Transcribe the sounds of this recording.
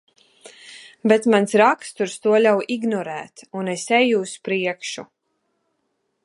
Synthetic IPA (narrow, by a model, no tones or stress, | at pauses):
bɛt̪mansɾakst̪uɾst̪uɔlʲawʔiɡnɔɾæːt̪unesɛjuːspɾiɛkʃu